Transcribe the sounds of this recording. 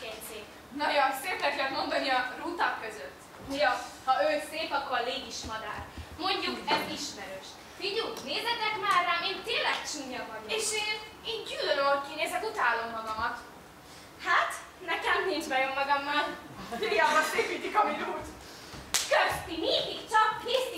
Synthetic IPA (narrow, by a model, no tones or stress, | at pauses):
ɛɲseːk | nɒɟonseːk̪lɛklɛnmo̞nd̪onːiɒruːt̪ɒkːøzøt̪ː | mijɒhɒøːseːpɒkːo̞ɾleːɡiʃmɒd̪a̰ːrmo̞ɲɟukɛziʃmɛɾøːʃ | fiɟuneːzɛt̪ɛk̪maːrːaːmeːnt̪eːnlɛkt͡ʃiɲːɒvɒɟoeːʃeːn | eːnɟylɾølkineːzɛk̪ut̪aːlːo̞mːɒɡɒmɒt̪ | hat̪ | nɛkɛmnind͡ʒbɛjømːɒɡɒmːɒl | ijaːbɒeːpiːt̪ikɒminuːt | køst̪ineːkikt͡ʃɒkneːst̪i